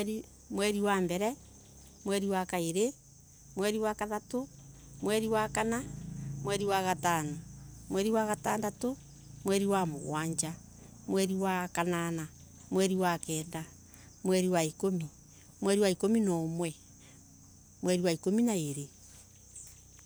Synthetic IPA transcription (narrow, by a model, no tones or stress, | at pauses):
ɾi | mwɛɾiwambɛɾɛ | mwɛɾiwakaeɾe | mwɛɾiwakaðato | mwɛɾiwakanamwɛɾiwaɣatanomwɛɾiwaɣataːndato | mwɛɾiwamoɣw̰aːɲd͡ʒa | mwɛɾiwakanana | mwɛɾiwakɛːnda | mwɛɾiwaikomi | mwɛɾiwaikominɔmwɛ | mwɛɾiwaikominaeɾe